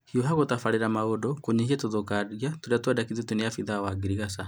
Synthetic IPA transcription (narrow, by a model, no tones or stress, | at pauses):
hioɦaɣotafaɾeɾamaodɔkoɲehiatoðokaɾiatoɾeatwadakiðɔtunejafiðawaɡiɾiɣasa